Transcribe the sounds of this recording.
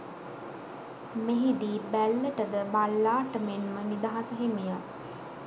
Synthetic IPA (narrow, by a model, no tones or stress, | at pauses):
meɦid̪iːbælːəʈəd̪əbalːaːʈəmenmənid̪aɦasəɦemija